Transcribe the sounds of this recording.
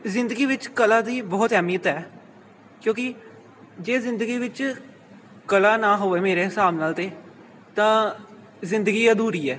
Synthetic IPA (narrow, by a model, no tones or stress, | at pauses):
zɪ̃nd̪əɡiːʋɪt͡ʃkəlãːd̪iːbɔːt̪ɛːmiːət̪ɛː | kjõːkɪ | d͡ʒeːzɪ̃nd̪əɡiːʋɪt͡ʃ | kəlaːnaːɦoːʋeːmeːɾeːɦɪsaːbnaːlt̪eː | t̪ãː | zɪ̃nd̪əɡiːaːd̪uːɾiːɛː